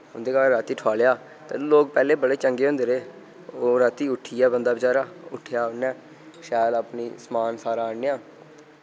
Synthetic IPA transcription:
ɦʊnd̪eːkaːɾaːt̪iːʈʰʊaːljaː | t̪ḛːloːk̚pɛːleːbəɽeːt͡ʃəŋɡeːɦʊ̃nd̪eːɾeː | oːɾaːt̪iːʊʈʰːiːɛːbənd̪aːbɪt͡ʃaːɾaːʊʈʰːɪjaːʊnːɛ̃ː | ʃaːlapniːsəmaːnsaːɾaːəneːãː

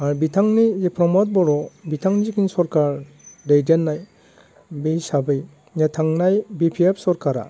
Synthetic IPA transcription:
aɾbitʰaŋnizipʰɾɔmɔt̚bɔɾɔbitʰaŋzikʰinsɔɾkaɾ | dejdenːaj | besabɯj | netʰaŋnajbipʰiep̚sɔɾkaɾa̰

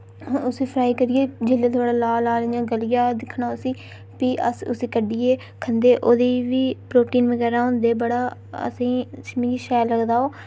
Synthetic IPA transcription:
ʊsĩːpʰɾaːiːkəɾɪjeːd͡ʒɪlːeːt̪oaːɽaːlaːlaːlɪjãːɡəlɪjaːd̪ɪkʰɳaːʊsĩː | piːʔə̰sʊ̰siːkəɖiːeː | kʰənd̪eːʔoːd̪iːʋiːpɾoːʈiːnʋəɡɛːɾaːõnd̪eːbəɽaːə̰sĩːt͡ʃmĩːɡiːʃɛːləɡd̪aːoː

